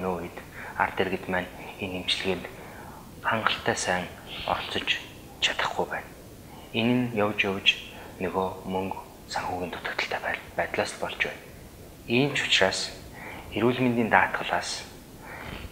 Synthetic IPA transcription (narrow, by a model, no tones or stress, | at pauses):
noːit̪a̰rt̪erɣɘ̆t̪mæːnenemt͡ɕɮɘ̆ɣĕːnt̪ | χaɴɢə̆ɬt̪æːsæːŋ | ɔ̰rɬt͡sɞ̆t͡ɕ | t͡ɕʰḁt̪ə̥̆χɡujpæːn | enɘ̆njawt͡ɕjawt͡ɕ | nɵɣoːmɵŋk | saŋxuːɣɘ̆nt̪ʰʊ̥t̪ɵ̆kt̪ə̆ɬt̪ʰæːpæpæːt̪ɮaːsɮpɔɮt͡ɕpæ̰ːn | iːmt͡ɕʰʊ̥t͡ɕraːs | eɾuːɮment̪iːnt̪aːt̪ɢə̆ɮaːs